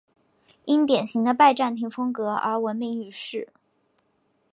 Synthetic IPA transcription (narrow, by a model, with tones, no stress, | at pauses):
i˥nt̪jɛ˨˩nɕi˧˥ŋd̪ə˧pa˥˧ɪʈ͡ʂa˥˩nt̪ʰi˧˥ŋfɤ˥ŋkɤ˧˥ʔə̰˧˥wə˧˥nme˧y˥˧ʂɻ̩˥˩